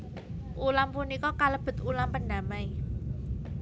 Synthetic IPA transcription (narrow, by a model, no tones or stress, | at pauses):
ʔulampunikɔkaləb̥ə̤t̪ulampənɖa̤mai